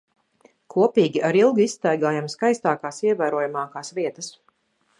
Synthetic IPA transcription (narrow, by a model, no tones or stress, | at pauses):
kʰuɔpiːɡʲiʔaɾilˠɡisːt̪æjɡaːjamskajst̪aːkaːsiɛvæːɾuɔjamaːkaːsviɛt̪ɐs